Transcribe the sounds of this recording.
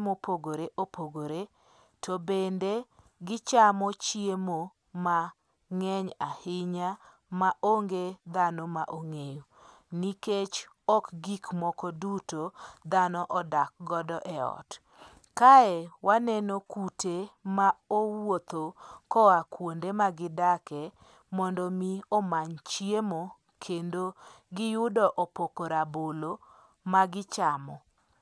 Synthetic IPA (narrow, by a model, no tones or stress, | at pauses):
mopoɡoɾeʔopoɡoɾe | tʰobende | ɡɪt͡ʃamɔt͡ʃiemo | ma | ŋɛɲahɪɲa | maʔoŋɡed̪anomaʔoŋejo | niket͡ʃ | ɔkɡikmɔkɔdutod̪anɔʔɔdak̚ɡɔdɔʔɛɔ̰t | kaɛwanɛnokutemaowot̪okɔakwondemaɡɪdakɛ | mɔndɔmiɔmaɲt͡ʃjemo | kʰendo | ɡɪjʊdɔʔɔpokoɾabolo | maɡɪt͡ʃamɔ